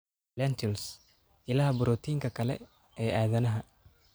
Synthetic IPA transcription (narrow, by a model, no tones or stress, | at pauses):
lant̪ʰɪls | ɪlaːhbʊɾɔːt̪ʰiːŋkʰɐkʰɐlɛ̰ | ɛːaːðɐnɐɦɐ